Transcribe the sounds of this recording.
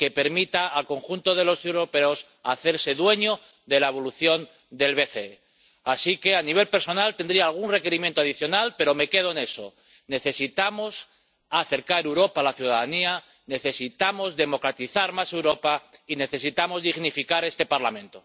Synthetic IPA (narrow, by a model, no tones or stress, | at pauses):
ke̞pe̞ɾmit̪aːlko̞ŋxunt̪o̞ðe̞lo̞sewɾo̞pe̞o̞s | aθe̞ɾse̞ðwe̞ɲo̞ | ðe̞lae̞β̞o̞luθjo̞n | d̪e̞lβe̞θe | asike̞aniβe̞lpe̞ɾso̞nalt̪e̞nd̪ɾiaːlɣ̞unre̞ke̞ɾimjent̪oaðiθjo̞nalpe̞ɾo̞me̞ke̞ð̞oene̞so̞̰ | ne̞θe̞sit̪amo̞s | aθe̞ɾkaɾewɾo̞paːlaθjuðaðania | ne̞θe̞sit̪amo̞zðe̞mo̞kɾat̪iθaɾmasewɾo̞paine̞θe̞sit̪amo̞zðiɣnifikaɾe̞st̪e̞paɾlamẽnt̪o